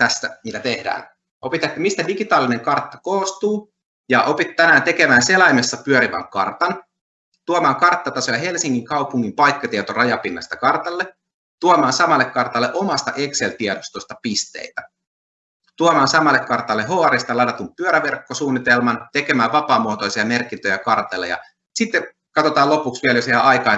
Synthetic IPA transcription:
t̪æsːæmit̪æt̪e̞hdæ̰ːn | ʔo̞pit̪et̪ːæmist̪ædiɡit̪ɑːlːine̞ŋkɑrt̪ːɑ̥koːst̪uː | jɑʔo̞pit̪t̪ːænæːnt̪e̞ke̞mæːnse̞lɑjmesːɑpyøɾiʋɑ̰ŋkɑ̰rt̪ɑn | t̪uomɑːŋkɑrt̪ːɑt̪ɑsojɑɦe̞lsiŋːiŋkɑupuŋːimpɑjkːɑt̪iet̪orɑjɑpinːɑ̰st̪ɑkɑrt̪ɑlːe | t̪uomɑːnsɑmɑlːekkɑrt̪ɑlːeʔo̞mɑst̪ɑʔe̞kselt̪iɛdost̪ost̪ɑpist̪ḛit̪æ | t̪uomɑːnsɑmɑlːekkɑrt̪ɑlːeɦoɑɾist̪ɑlɑdɑt̪umpyøɾæʋerkːosuːnːit̪elmɑnt̪ekemæːʋɑpɑːmuot̪o̞isiɑme̞rkint̪øjækɑrt̪ɑlːḛjɑ̰ | sit̪ːe | kɑt̪ot̪ɑːlo̞puksʋiɛljoseæʔɑjkɑ

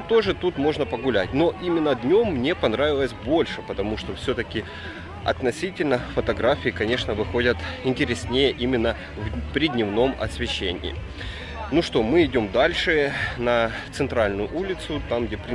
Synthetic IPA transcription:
t̪o̞ʐɨt̪ut̪mo̞ʐnəpəɡʊlʲæt̚ʲno̞ʔimʲɪnːəd̪ʲnʲo̞mːnʲe̞pɐnɾavʲɪlˠəsʲbo̞lʲʂɨpət̪ɐmuʂt̪o̞fsʲɵt̪əkʲɪ | ɐ̰t̪nɐsʲitʲɪlʲnəfət̪ɐɡɾafʲɪːkɐnʲe̞ʂnəvɨxo̞dʲət̪ɪnʲtʲɪɾʲesʲnʲejəʔimʲɪnːə | vpɾʲɪdʲnʲɪvno̞mɐ̰sʲvʲɪɕːenʲɪ̰ː | nuʂt̪o̞mɨɪdʲo̞md̪alʲʂɨnɐt̪sɨnt̪ɾalʲnʊjʊʔulʲɪt̪sʊt̪amɡdʲepɾʲɪ

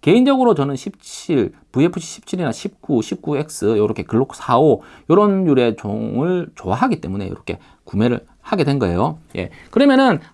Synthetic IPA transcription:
ke̞ind͡ʑʌɡɯɾot͡ɕʌnɯnɕʰip̚t͡ɕʰiɭpuepʰuɕʰi̥ɕʰi̥p̚t͡ɕʰiɾinaɕʰip̚k͈uɕʰip̚k͈ue̞k̚s͈ɯjʌɾʌkʰe̞kɯɭːokʰsʰaojʌɾʌnjuɾe̞t͡ɕo̰ŋɯɭt͡ɕowaɦaɡit͈e̞mune̞jʌ̰ɾʌkʰe̞̰ | kume̞ɾɯ̰ɭ | haɡe̞dwenɡʌe̞̰joje̞̰kɯɾʌmjʌnɯn

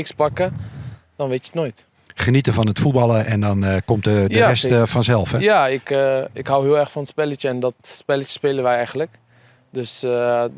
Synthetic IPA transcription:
ɪkspɑkə | d̥ɔnʋetjətnoːjt | χənitəvɔnətfut̚bɑlˠəʔɛndɔnkomtədərɛstfɔnzɛlˠfhɛjaɪkɪkɦawɦiəlˠɛrxfɔnətspɛlətəɛndɔtspɪlətə̥speːlənʋɛjɛjɣənlək | døs

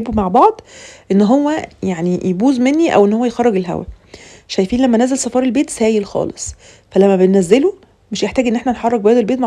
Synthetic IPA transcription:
bumaʕbɑʕd̪ˤʔenːɦowːæjaʕnijebuːzmenːiʔæ̰wʔenːhowːæjxɑrˤːɑɡelɦæ̰wæ̰ | ʃæjfiːnlæmːænæzælsˤɑfɑːɾˤelbeːt̪sæːjelxɑ̰ːlesˤ | fælæmːæbenːæzːelo | meʃjeħt̪æːɡienːʔeħnænħɑrˤːɑɡ̚bæːd̪elbeːt̪ma

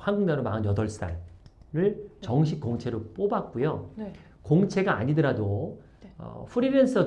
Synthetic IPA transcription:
hanɡuŋdaɾomaɯnjʌdʌɭs͈a̰ɭ | ɾɯɭt͡ɕʌŋɕ̬ʰik͈ːoŋt͡ɕʰe̞ɾop͈obak̚k͈ujo | koŋt͡ɕʰe̞ɡa̰ːɲidɯɾado | ʌ̰pʰɯɾibe̞ns͈ʰʌ

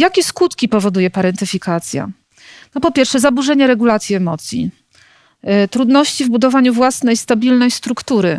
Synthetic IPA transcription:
jakʲɛskut̪kʲipɔvɔd̪ujɛpaɾɛnt̪ɘfʲikat̪sʲja̰ | nɔpɔpʲjɛɾfʂɛzabuʐɛɲɛɾɛɡulat̪sʲjiɛmɔt̪sʲjḭ | t̪ɾud̪nɔɕt͡ɕivbud̪ɔvaɲuvwasnɛjst̪abʲilnɛjst̪ɾukt̪uɾɘ

